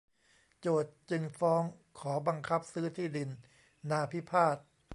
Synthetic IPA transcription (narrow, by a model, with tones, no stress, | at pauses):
t͡ɕoː˨˩t̪̚t͡ɕɯ˧ŋfɔː˦˥ŋkʰɔː˩˦ba˧ŋkʰa˦˥p̚sɯː˦˥t̪ʰiː˥˩di˧nː | aː˧pʰi˦˥pʰaː˥˩t̪̚